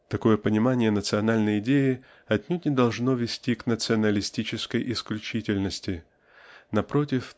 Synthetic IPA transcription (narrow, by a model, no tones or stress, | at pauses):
t̪ɐko̞jəpənʲɪmanʲɪjənət̪sɨɐnalʲnəjɪdʲejɪ | ɐtʲnʲutʲnʲɪd̪ɐlˠʐno̞vʲɪsʲtʲiknət̪sɨɐnəlʲɪsʲtʲit͡ɕɪskəjʔɪsklʲʉt͡ɕitʲɪlʲnəsʲtʲɪ | nɐpɾo̞tʲɪf